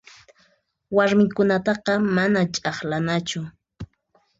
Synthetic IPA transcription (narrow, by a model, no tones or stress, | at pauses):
waɾmɪkʊnat̪ɑqɑmanat͡ʃʼɑχlanat͡ʃʊ